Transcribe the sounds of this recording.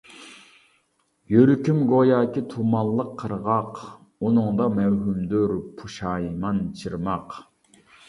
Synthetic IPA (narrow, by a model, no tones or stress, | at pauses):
jøɾykʲymɡojɑːkʲit̪ʰumɑllˠːəqʰːəɾʁɑq | unɨŋd̪ɑmɛwɦymd̪øɾpʰuʃɑːjmɑnt͡ʃʰiɾmɑq